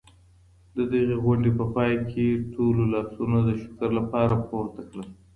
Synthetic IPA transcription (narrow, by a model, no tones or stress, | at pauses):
d̪əd̪əɣeɣwaɳɖepəpɑjkʰeʈʰololɑsunod̪əʃʊ̥kəɾlapɑɾapoɾt̪akɽəl